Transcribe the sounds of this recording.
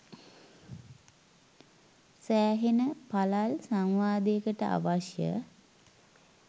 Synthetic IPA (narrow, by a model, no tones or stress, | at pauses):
sæːɦenəpalalsaŋʋaːd̪ekəʈəʔa̰ʋaʃjə̰